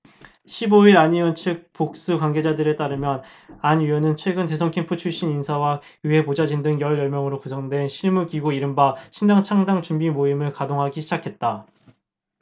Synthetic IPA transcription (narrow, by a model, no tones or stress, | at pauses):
ɕʰiboiɾaɲiʌnt͡ɕʰɯk̚pok̚s͈ukwanɡe̞d͡ʑadɯɾet͈aɾɯmjʌn | aɲɥiʌnɯnt͡ɕʰwe̞ɡɯnte̞s̬ʰʌŋkʰempʰɯt͡ɕʰuɭɕ͈ininsʰawa | iɦe̞pod͡ʑad͡ʑindɯŋjʌɭjʌɭmjʌŋɯɾokusʰʌŋdwe̞nɕʰiɭmuɡiɡoiɾɯmbaɕʰindaŋt͡ɕʰaŋdaŋt͡ɕumbimoimɯɭkadoŋɦaɡiɕʰid͡ʑakʰe̞t̚t͈a